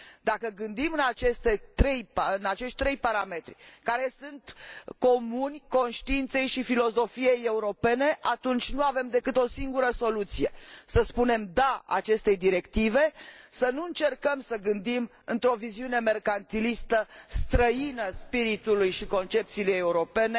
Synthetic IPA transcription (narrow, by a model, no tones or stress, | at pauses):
d̪akəɡɨnd̪imɨnat͡ʃe̞st̪e̞t̪ɾe̞jpɨnat͡ʃe̞ʃt̪̚ʲt̪ɾe̞jpaɾame̞t̪ɾʲikaɾe̞sɨnt̪ko̞munʲko̞nʃt̪iint̪se̞jʃifilo̞zo̞fijeje̞uɾo̞pe̞ne̞ʔat̪unt͡ʃʲnuavemd̪e̞kɨt̪o̞siŋɡuɾəso̞lut̪sije̞səspune̞md̪aa̰t͡ʃe̞st̪e̞jd̪iɾe̞kt̪ive̞sənuɨnt͡ʃe̞rkəmsəɡɨnd̪im | ɨnt̪ɾo̞viziune̞me̞rkant̪ilist̪əst̪ɾəinəspiɾit̪ulujʃiko̞nt͡ʃe̞p̚t̪siːlejeuɾo̞pe̞ne